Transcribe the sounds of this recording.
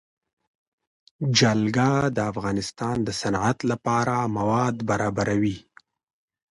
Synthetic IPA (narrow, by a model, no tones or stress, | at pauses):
d͡ʒalɡɑd̪əafɣɑnɪst̪ɑnd̪əsanʕat̪lapɑɾamawɑd̪baɾɑbaɾawi